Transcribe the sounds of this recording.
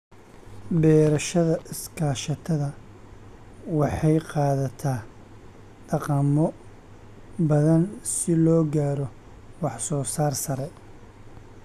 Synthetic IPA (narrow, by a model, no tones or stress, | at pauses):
bɛːɾɐʃɐðɐʔɪskʰaːʃɐt̪ʰɐðɐ | wɑħɑjqɑːðɐt̪ʰaː | ɖɑqɐmɔ | bɐðɐnsɪlɔːɡaːɾɔ | wɑħsɔːsaːrsɐɾɛ